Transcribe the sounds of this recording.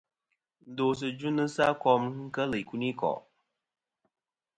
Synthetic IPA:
n̩˨do˨s̬ɨ˨d͡ʒu˦nɨ˦sa˦kɔ˧mŋ̩˦kə˦lɨ˨ku˦ni˦kɔ̰˨ʔ

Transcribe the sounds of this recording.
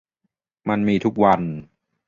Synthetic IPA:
ma˧nmiː˧t̪ʰu˦˥k̚wa˧n

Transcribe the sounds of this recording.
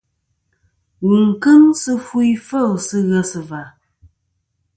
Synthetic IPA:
wu˨ŋ̩˨kɨ˦ŋsɨ˦fu˦i˦fə˦˨lsɨ˦ɣə˦sɨ˨va˨

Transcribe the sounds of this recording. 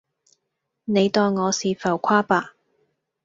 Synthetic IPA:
ne˨˧jt̪ɔː˧ŋŋɔː˨˧siː˨fɐ˨˩wkʷʰaː˥paː˧˩

